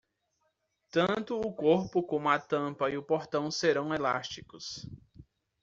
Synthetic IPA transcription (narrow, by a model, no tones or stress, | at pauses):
t̪ɐ̃nt̪ʊːkoɾpʊkõmʊɐt̪ɐ̃pɐiʊpoɾt̪ɐ̃w̃seɾɐ̃w̃ela̰st͡ʃi̥kʊs